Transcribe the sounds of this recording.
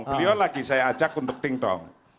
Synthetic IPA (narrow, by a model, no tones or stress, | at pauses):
ŋplijɔlaɡisajaat͡ʃakunt̪ʊk̚t̪ɪŋt̪ɔ̰ŋ